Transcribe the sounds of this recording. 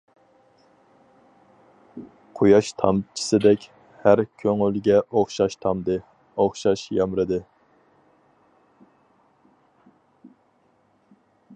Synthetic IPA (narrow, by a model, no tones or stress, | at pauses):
qʰojɑʃt̪ʰɑ̰mt͡ʃʰi̥sɨd̪ɛkʲ | hæɾkʲʰøŋylɡʲɛʔoχʃɑʃt̪ʰɑmd̪ɨ | oχʃɑʃjɑmɾɨd̪ɨ